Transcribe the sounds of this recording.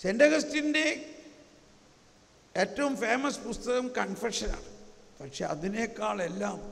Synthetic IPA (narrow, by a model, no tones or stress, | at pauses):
sendɐɣɐstinde̞ | eːtːɐʋumfe̞ːmɐspust̪ɐɣɐmkɐnfeʂɐna̰ːɳɨpɐkʂeːɐ̰ðinekːaːɭe̞lːaːm